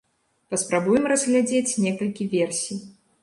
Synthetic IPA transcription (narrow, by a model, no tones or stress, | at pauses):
pɐspɾabujɛmrɐzɣlʲad͡zʲet͡sʲnʲɛkɐlʲkʲivʲɛrsʲij